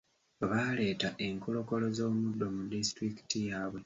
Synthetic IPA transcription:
βale̞ːtaʔe̞ŋkolo̞ko̞lo̞zo̞ːmudːo̞mudistɾiki̥tijaːβwe̞

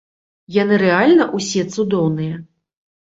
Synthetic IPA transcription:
janɨɾɛalʲnɐʔusʲɛt̪sud̪ɔwnɨjɐ

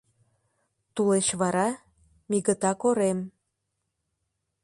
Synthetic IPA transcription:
t̪uleɕβɑɾɑ | miɣət̪ɑkoɾem

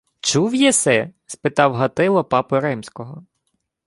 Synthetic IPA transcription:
t͡ʃuwjɛsɛspɪt̪ɑwɦɐt̪ɪlˠɔpɑpʊɾɛmsʲkɔɦɔ

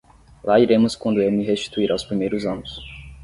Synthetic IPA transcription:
laiɾẽmʊskwɐ̃nd̪ʊewmɪɦest͡ʃi̥t̪uiɾawspɾimejɾʊzɐ̃nʊs

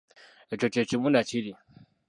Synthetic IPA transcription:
t͡ʃot͡ʃet͡ʃimunat͡ʃʰiɾi

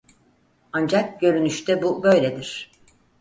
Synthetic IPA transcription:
and͡ʒak̚ɟø̞ɾynyʃt̪ʰɛbubø̞jlʲed̪iɾ̥

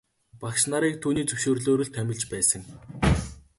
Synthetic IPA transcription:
pakʃnaɾiːk̚t̪ʰuːniːt͡sɵwʃoːrɮoːɾɵ̆ɮt̪ʰːæmʲɪ̆ɮt͡ɕpæːsə̆ŋ

